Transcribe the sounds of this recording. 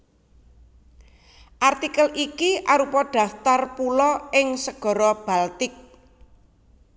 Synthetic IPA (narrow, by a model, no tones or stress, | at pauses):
ʔart̪ikəlikiʔaɾupɔɖ̥a̤ft̪arpulɔɪŋsəɡ̥ɔ̤ɾɔb̥a̤lt̪ɪk̚